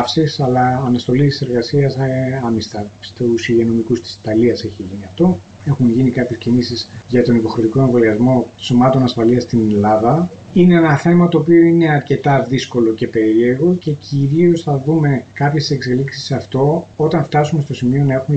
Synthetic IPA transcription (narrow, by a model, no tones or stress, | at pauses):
fsisɐlɐːnɐst̪o̞lit̪i̥se̞ɾɣɐsiɐsɐmist̪ɐst̪usiʝeno̞mikust̪i̥si̥t̪ɐliɐse̞çiʝiniɐft̪o̞ | e̞xunʝinikɐpçe̞scimisisʝɐt̪o̞nipo̞xɾit̪iko̞eɱvoliɐzmo̞so̞mɐt̪o̞nɐsfɐliɐst̪inelɐðɐ | ine̞enɐθe̞mɐt̪o̞ːpio̞ine̞ɐɾce̞t̪ɐðisko̞lo̞ce̞pe̞ɾieɣo̞ce̞ciɾio̞sθɐðume̞kɐpçe̞se̞kse̞liksi̥sɐft̪o̞ot̪ɐɱft̪ɐsume̞st̪o̞simio̞nɐe̞xume